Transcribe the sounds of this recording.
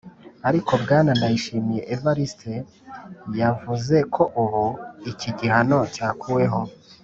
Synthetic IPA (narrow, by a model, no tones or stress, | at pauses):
aɾiko̞bɡaːnanajiʃiːmije̞ʔevaɾistʰe | javuze̞kʰo̞ʔuβuiciɟihano̞caːkuwe̞ɦo̞